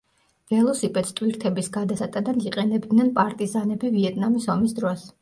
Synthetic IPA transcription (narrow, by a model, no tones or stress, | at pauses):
vɛlˠɔsipʼɛt̪st̪ʼwiɾt̪ʰɛbisɡad̪asat̪ʼad̪aniqʼɛnɛbd̪nɛnpʼaɾt̪ʼizanɛbiviɛt̪ʼnamisɔmisd̪ɾɔs